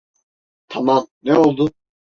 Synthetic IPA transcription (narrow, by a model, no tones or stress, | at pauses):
t̪ʰamamnɛolˠd̪ʊ